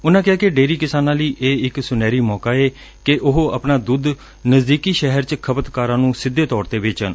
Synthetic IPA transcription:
ʊnãːkɪjaːkeɖeːɾiːkɪsaːnãːləiːʔeːɪksʊnɛːɾiːmɔːkaːeː | kɪʔʊɦəpnaːd̪ʊd̪ | nəzd̪iːkiːʃɛɦəɾt͡ʃkʰəbət̪kaːɾãːnũːsɪd̪ːeːt̪ɔːɾt̪eːʋɪːt͡ʃən

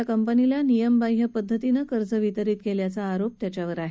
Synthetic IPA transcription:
akəmpənilanijəmbajɦəpəd̪ʱːət̪inəkəɾd͡zəʋit̪əɾiːt̪̚keljat͡saːɾop̚t̪jat͡ɕjaʋəɾaɦe

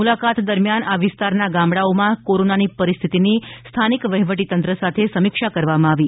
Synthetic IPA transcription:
mulakat̪d̪əɾmjanaʋɪst̪aɾnaɡãmbɽaomãkoɾonanipəɾist̪ʰit̪inist̪ʰanikʋəɦiʋəʈ̬it̪ənt̪ɾəsat̪ʰesəmikʃakəɾʋamãaʋi

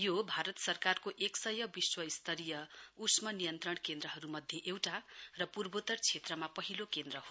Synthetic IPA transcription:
jobʱaɾʌt̪sʌrkarkoʔeksʌjʌbiswʌist̪ʰʌɾijʌusmʌnijʌnt̪rʌɳkend̪rʌɦʌɾumʌd̪ʱjeʔewʈarʌpurbot̪ʌrt͡sʰet̪rʌmapʌɦilokend̪rʌɦo

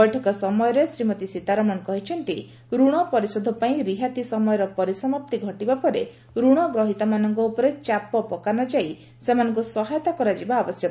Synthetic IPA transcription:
bɔjʈʰɔkɔsɔmɔjɔɾesɾimɔt̪isit̪aɾɔmɔnkɔɦit͡ʃʰɔnt̪i | ɾuɽ̃ɔpɔɾisɔd̪ʱɔpaĩɾiɦat̪isɔmɔjɔɾɔpɔɾisɔmap̚t̪iɡʱɔʈibapɔɾe | ɾuɽ̃ɔɡɾɔɦit̪amanɔŋkɔupɔɾet͡ʃapɔpɔkanɔd͡ʒai | semanɔŋkusɔɦajɔt̪akɔɾad͡ʒibaːbɔsjɔt̪

